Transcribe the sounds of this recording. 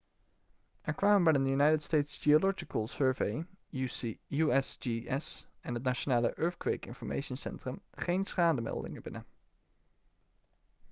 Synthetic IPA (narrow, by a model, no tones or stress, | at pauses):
ʔɛɹkʋaːmənbɛjdənjynajtətstejtsd͡ʒiolɔd͡ʒɪkəlˠsøːɹvej | uɛsd͡ʒiɛsɛnɦət̬naːʃonaːləʔɜːɹfkʋekɪ̰nfɔɹmʔḛjʃənsɛ̰ntrəmχejnsχaːdəmɛ̰lˠdɪ̰ŋəbɪnə